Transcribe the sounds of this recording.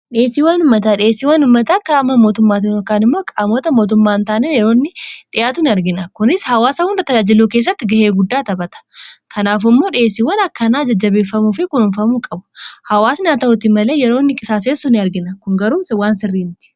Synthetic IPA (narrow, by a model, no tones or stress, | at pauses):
ᶑɪeːsːiːwɐnʊmːɐt̪aːᶑɪeːsːiːwɐnʊmːɐt̪aːkːaːmːɐmo̞ːt̪ʊmːaːt̪̬ɪkaːnɪmːoːkʼaːmoːt̪ɐmo̞ːt̪̬ʊmːaːnt̪aːnenjɛɾo̞ːnːɪᶑɪjʔaːt̪ʊnɪɐɾɡɪnɐkʊnɪshɐwaːsɐhʊndɐt̪ɐd͡ʒaːd͡ʒɪluːke̞ːs̬ːɐt̪ːɪɡɐheːɡʊd̪ːaːt̪ɐbɐt̪ɐ̥kʰɐnaːf̬ɪmːoːᶑɪeːsɪwɐnɐkːɐnaːd͡ʒɐd͡ʒːɐbeːfːɐmuːfɪkʊnhʊnfɐmuːkʼɐbʊ̥hɐwaːsnaːt̪ɐhʊt̪ɪmɐle̞ːjɛɾoːnːɪkʼɪsaːs̬eːsʊnɪɐɾɡɪnɐkʊŋɡɐɾuːswaːnsɪrːiːnt̪ɪ̥